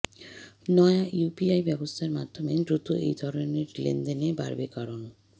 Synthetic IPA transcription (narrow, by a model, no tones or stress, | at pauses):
nɔjajupiajbɛbost̪ʰaɾmad̪ʱomed̪ɾut̪uʔejd̪ʱɔɾoneɾlḛnd̪eneba̰ɾbekaɾon